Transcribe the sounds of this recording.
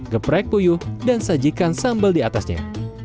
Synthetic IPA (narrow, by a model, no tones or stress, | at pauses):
ɡəpɾaɛk̚pujuhdansad͡ʒikansambəldiat̪asɲa̰